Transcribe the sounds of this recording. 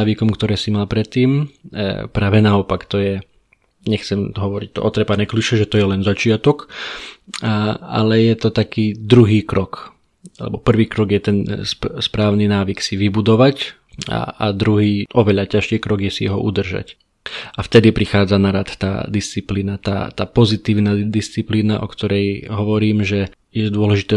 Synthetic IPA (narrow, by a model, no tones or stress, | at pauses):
aʋikɔmkt̪ɔɾɛːsimalpɾɛt̪ːiːm | pɾaːʋɛnaɔpakt̪ɔjɛ | ɲɛxt͡sɛmɦɔʋɔɾic̚t̪ɔ̰ʔɔt̪ɾɛpanɛkliʃɛʒɛt̪ɔjɛlɛnzat͡ʃɪat̪ɔk | a̰lɛjɛt̪ɔt̪akiːd̪ɾuɦiːkɾɔk | alɛ̰bɔpr̩ʋiːkɾɔɡjɛt̪ɛnsspɾaːʊninaːʋiksiʋibud̪ɔʋac | a̰a̰d̪ɾuɦiːʔɔʋɛʎacaʃɛkɾɔɡjɛsiɛɦɔ̰ʔud̪r̩ʒa̰c | aft̪ɛd̪ipɾixaːd͡zanaɾat̪t̪a̰ːd̪ist͡sipliːnat̪a̰ːt̪aːpɔzit̪iːʊnaːd̪ist͡sipliːnaʔɔ̰kt̪ɔɾɛjɦɔʋɔɾiːmʒɛ | jɛd̪ʊɔlɛʒit̪ɛː